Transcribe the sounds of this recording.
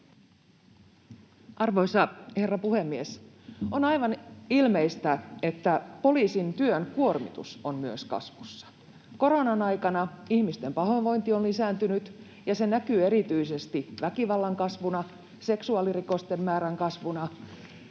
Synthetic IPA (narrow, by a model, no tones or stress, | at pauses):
ʔɑrʋo̞isɑhe̞rːɑpuhe̞mːies | onɑjʋɑnilmeist̪æe̞t̪ːæpo̞liːsint̪yønkuo̞rmḭt̪ṵsonmyøskɑ̰sʋusːɑ̥ | ko̞ɾo̞nɑnɑjkɑnɑihmist̪e̞mpɑɦonʋo̞jnt̪ionlisæːnt̪ynyt̪ | jɑse̞nækyːe̞ɾit̪yisest̪iʋækiʋɑlːɑŋkɑsʋunɑ | se̞ksuɑːliriko̞st̪emːæːɾæŋkɑsʋunɑ